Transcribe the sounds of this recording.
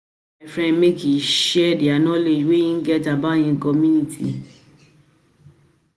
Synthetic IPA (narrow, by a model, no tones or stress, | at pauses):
ɛfɾɛ̃nmekiʃɛdianɔ̃leweĩɡɛtabaj̃ĩkɔmũnĩtʰḭ